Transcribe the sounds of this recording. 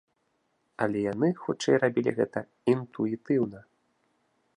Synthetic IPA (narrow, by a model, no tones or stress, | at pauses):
ɐlʲɛjanɨxut͡ʂɛjrabʲilʲḭɣɛt̪ɐ | int̪uit̪ɨwnɐ